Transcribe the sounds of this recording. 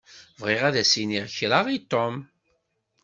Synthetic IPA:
vʁɪʁæðæsiniʁçɾaʁit̪ːom

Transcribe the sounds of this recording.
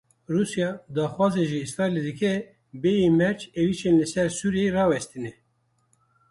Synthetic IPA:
ruːsjɑd̪ɑːxwɑːzeʒiisɾɑːiled̪ɨkʰɛ | bejemɛɾt͡ʃeviʃeːnlɨsɛɾsuːɾijeɾɑːwɛst̪inɛ

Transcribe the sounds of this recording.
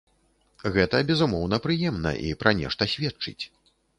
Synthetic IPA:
ɣɛt̪ɐbʲɛzumɔwn̪ɐpɾɨjɛmnɐ̰ʔḭpɾɐnʲɛ̰ʂt̪ɐsʲvʲɛtt͡ʂɨ̰t͡sʲ

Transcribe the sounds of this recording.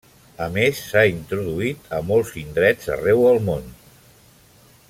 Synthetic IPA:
əmesːaint̪ɾuðuit̪ʰəmolˠzind̪ɾɛd͡zə̰rɛwəlˠmon

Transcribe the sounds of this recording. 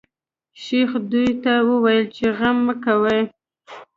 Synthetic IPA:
ʃexd̪ujt̪awəwajəlt͡ʃeɣamːəkawəj

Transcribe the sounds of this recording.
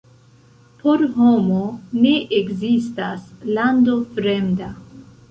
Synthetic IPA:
po̞ɾɦo̞mo̞ne̞ʔekzistaslando̞fɾe̞mda

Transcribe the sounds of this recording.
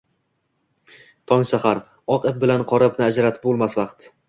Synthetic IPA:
t̪ʰɒŋsahaɾ | ɒqɪp̚bɪlanqʰɒɾapnɪad͡ʒaɾat̪ʰɪ̥pbolˠmasvɑqt̪

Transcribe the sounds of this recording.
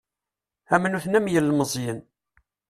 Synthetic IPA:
æmnuθnæmjəlːməzˤjən

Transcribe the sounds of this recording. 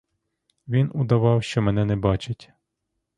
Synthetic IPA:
ʋʲinud̪ɐʋɑwʃt͡ʃɔmɛnɛnɛbɑt͡ʃɪtʲ

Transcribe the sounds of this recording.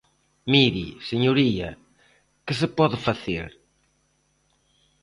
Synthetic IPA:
miɾiseɲuɾiɐ̰ | kɪs̬ɪpɔðɪfaθeɾ

